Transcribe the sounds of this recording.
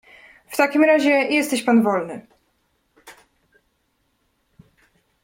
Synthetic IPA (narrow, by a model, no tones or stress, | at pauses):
ft̪akʲimɾaʑɛjɛst̪ɛɕpanvɔlnɘ